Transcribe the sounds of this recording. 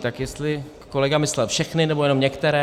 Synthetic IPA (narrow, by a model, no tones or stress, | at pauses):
t̪akjɛst̪lɪ | ko̞lɛɡamɪslɛlfʃɛxnɪnɛbo̞jɛno̞mɲɛkt̪ɛɾɛː